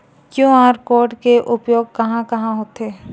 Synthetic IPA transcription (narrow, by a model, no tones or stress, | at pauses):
kjõːaːɾkoːʈkeʔʊpjoːɡ̚kɐɦãkɐɦãɦoːt̪eː